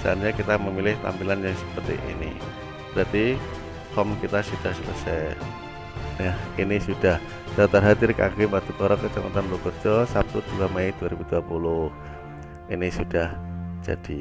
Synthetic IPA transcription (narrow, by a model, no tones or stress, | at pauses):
sa̰anɲakit̪aməmilɪht̪a̰mpilanjaŋsə̥pərt̪ḭʔḭnḭ | b̥ɾat̪i | hɔmkit̪asud̥ahsələsɛ | jahinisud̥ah | dat̪ərɦad̪ɪrka̰ɡibat̪ukɔɾɔkət͡ʃa̰mə̰nt̪anblɔkərd͡ʒɔsap̚t̪ut̪uamajd̥uaɾibuduapulʊh | inisud̥ahd͡ʒa̰d̥i